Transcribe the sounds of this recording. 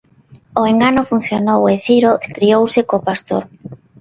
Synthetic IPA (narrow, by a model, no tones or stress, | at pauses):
oeŋɡanofun̟θjonoweθiɾokɾiowsɪkopast̪o̰ɾ